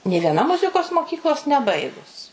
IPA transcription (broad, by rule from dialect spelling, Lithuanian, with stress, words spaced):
nʲeː ʋʲiɛˈnɐ ˈmʊzʲɪkoːs moːˈkʲiːklˠoːs nʲɛˈbɐɪɡʊs